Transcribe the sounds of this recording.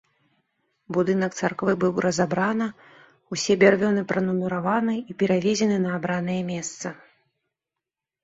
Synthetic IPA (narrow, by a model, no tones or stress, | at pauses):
bud̪ɨnɐkt̪sarkvɨbɨwɾʔɐzabɾanɨ | usʲɛbʲarvʲɔnɨpɾɐnumʲiɾavanɨipʲɛɾavʲɛzʲɛnɨnɐːbɾanɨjɛmʲɛst̪sɐ